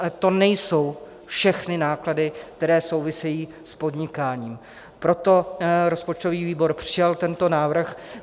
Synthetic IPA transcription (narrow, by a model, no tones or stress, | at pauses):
ɛt̪o̞nɛjso̞w | fʃɛxnɪnaːkladɪk̚t̪ɛɾɛːso̞wvɪsɛjiː | spo̞dɲɪkaːɲiːm | pɾo̞t̪o̞ɾo̞spot͡ʃt̪o̞viːviːbo̞ɾpr̝̥ɪjalt̪ɛnt̪o̞naːvr̩x